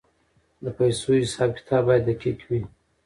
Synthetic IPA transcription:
d̪əpajsohɪsɑːb̚kɪ̥t̪ʰɑbbɑjad̪əkʰekʰwi

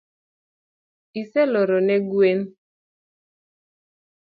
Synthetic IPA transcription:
isɛlɔɾɔnɛɡwen

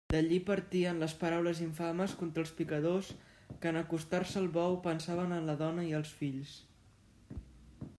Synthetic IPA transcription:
d̪əʎipəɾt̪iənləspəɾawləziɱfaməskont̪ɾəlˠspikəðos | kənəkust̪arsəːlˠβɔwpənsaβ̞ənənləðɔnəiəlˠsfiʎs

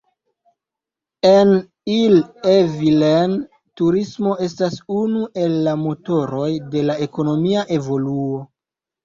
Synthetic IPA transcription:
en | ilevilen | tuɾismo̞e̞stasunuʔe̞lːamo̞to̞ɾo̞jde̞lae̞ko̞no̞miaʔe̞vo̞luo̞

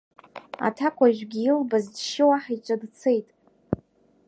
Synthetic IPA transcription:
a̰tʰakʷʰʼaʒʷᶣɡʲiilbazdʃɪwaħait͡ʃʷʼadt͡sʰe̞jtʼ

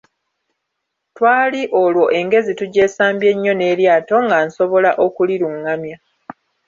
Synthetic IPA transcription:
twaːliʔo̞lwo̞ʔe̞ŋɡe̞zituɟe̞ːsaːmbje̞ɲːo̞ne̞ːɾjaːto̞ŋɡaːnso̞βo̞laʔo̞kuliɾuŋːamja

